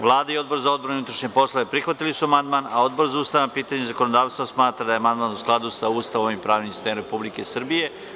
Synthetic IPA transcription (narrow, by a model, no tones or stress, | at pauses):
ʋlˠaːd̪aio̞d̪̚bo̞ɾzao̞d̪boɾunut̪ɾaʃɲe̞po̞slˠoʋe̞pɾixʋat̪ilisuamand̪manao̞d̪bo̞ɾzauːst̪aʋnapiːt̪aɲezako̞nod̪aːʋst̪ʋosmaːt̪ɾad̪ajamand̪maːnusklˠad̪usauːst̪aʋomimpɾaːʋnimsi̥st̪emɾe̞publike̞srbije̞